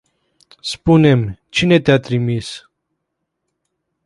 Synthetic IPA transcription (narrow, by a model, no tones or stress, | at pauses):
spune̞mt͡ʃine̞t̪eat̪ɾimis